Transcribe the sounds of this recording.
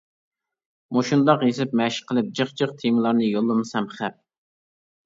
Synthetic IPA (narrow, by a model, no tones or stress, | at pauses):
moʃund̪ɑqjesɪpmɛʃqʰəlˠɨp̚d͡ʒəχd͡ʒəχt̪ʰemɨlˠɑɾnɨjolˠːɨmɨsɛmχæp̚